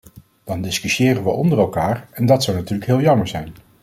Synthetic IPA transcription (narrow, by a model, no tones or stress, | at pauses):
d̥ɑndɪskyʃjɪːrənʋəʔɔndərɛlˠkaːɹɛndɑtsɑwnatyːləkɦɪːlˠjɑməɹzɛjn